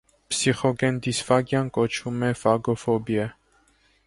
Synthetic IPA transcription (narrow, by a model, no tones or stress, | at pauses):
psiχɔɡɛnd̪isfɑɡjɑnkɔt͡ʃʰumɛfɑɡɔfɔbjɛ